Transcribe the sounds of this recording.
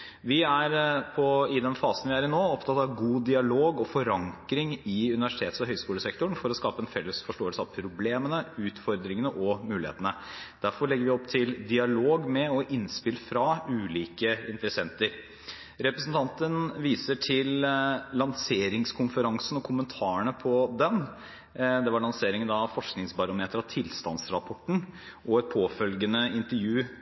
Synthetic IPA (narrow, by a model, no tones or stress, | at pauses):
ʋɪæɾpʰɔɪd̪ɛnfɑːsən̩ʋɪæːɾɪnoːɔpt̪ʰɑt̪ɑʋɡuːd̪ɪɑloːɡɔfɔɾɑŋkɾɪŋɪʉnɪʋæʂɪt̪ʰeːt̪sɔɦœʏskuːləsɛkt̪ʊɳfɔɾɔskɑːpəɛnfɛlːəsfɔʂʈoːəlsəɑʋpʰɾʊbleːmənəʉːt̪fɔɾd̪ɾɪŋənəʔɔmʉːlɪhḛːt̪ənəd̪̥æɾfɔɾɭɛɡəɾʋɪɔpːt̪ʰɪld̪ɪɑloːɡmɛɔʔɪnspɪlfɾɑʉːliːkəɪnt̪ɾəsɛnt̪əɾ | ɾɛpɾɛsn̩t̪ʰɑnt̪ənʋiːsəʈʰɪlːɑŋseːɾɪŋskʰʊnfəɾɑŋsənɔkʰʊmənt̪ʰɑːəɳəpʰɔd̪ɛn | d̪ɛʋɑɾɭɑnseːɾɪŋənd̪ɑfɔʂknɪŋsbɑɾʊmeːt̪əɾɑʋt̪ʰɪlst̪ɑ̰nsɾɑpʰɔʈːɳ̩ | ʔɔɛt̪̚pʰoːfœlɡənəɪnt̪əɾjʉː